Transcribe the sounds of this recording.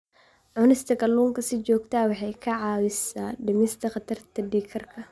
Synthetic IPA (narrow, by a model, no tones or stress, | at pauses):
ʕʊnɪst̪ʰɐɡɐlːuːŋkʰɐsɪt͡ʃɔːɡt̪ʰaːwɑħɑjkʰɐʕɑːwɪsaːɖɪmɪst̪ʰɐχɑt̪ʰɐrt̪ʰɐɖiːkʰɐrkʰɐ